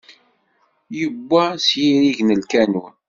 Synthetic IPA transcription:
jəbːæsjiɾiʝnəlkænu

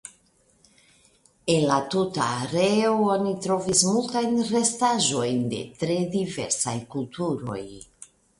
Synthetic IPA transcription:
e̞nlatuta̰ːɾeoonitɾo̞vismultajnre̞staʒo̞jnde̞̰tɾe̞dive̞̰ɾsajkultuɾo̞̰j

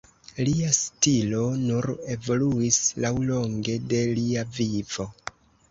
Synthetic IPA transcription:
liastilo̞nuɾe̞vo̞luislawlo̞ŋɡe̞de̞liavivo̞

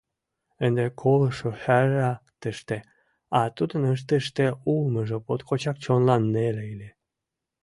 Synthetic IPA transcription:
ə̆nd̪ekʰolʃohæɾɑt̪əʃt̪e | ɑt̪ud̪ənəʃ̬t̪əʃt̪eulməʒə̆pot̪kʰot͡ɕɑk̚t͡ɕonlɑnːeleile

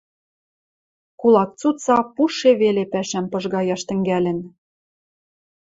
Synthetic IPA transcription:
kulˠɑk̚t͡sut͡sɑpuʃeβelepæʃæmpɤ̆ʒɣɑjɑʃt̪ɘ̆ŋɡælɘ̆n

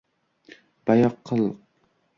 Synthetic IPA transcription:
b̥ɑjɑqʰːəlˠːəq̚

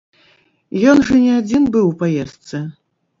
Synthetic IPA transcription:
jɔnʐɐnʲɛad͡zʲinbɨwpajɛst̪sɨ

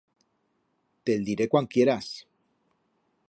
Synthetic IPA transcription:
t̪eld̪iɾekwankje̞ɾas

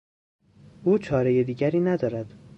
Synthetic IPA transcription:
ʔuːt͡ʃʰɒːɾejed̪iːɟæɾiːnæd̪ɒːɾæd̪̥

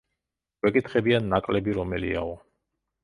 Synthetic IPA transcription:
wɛkʼit̪ʰχɛbianːakʼlɛbiɾɔmɛlḭa̰ɔ

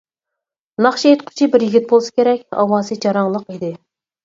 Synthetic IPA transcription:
nɑχʃiet̪qʰʊ̥t͡ʃʰibɪɾjiɡʲit̪̚bolˠsɨ̥kʲʰeɾɛkʲɑ̰wɑːzɨd͡ʒɑɾɑŋlˠəqid̪ɪ

